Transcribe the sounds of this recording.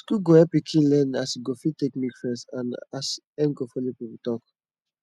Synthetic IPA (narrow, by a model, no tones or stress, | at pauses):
skuɡoɛpikʰĩnlɛnasiɡofitekmikfɹɛ̃nsãnas | ɛ̃nɡofɔlipiputɔk